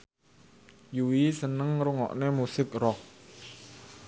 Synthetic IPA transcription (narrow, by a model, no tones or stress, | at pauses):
juwisənəŋɾuŋɔ̰ʔnemusɪk̚rɔk̚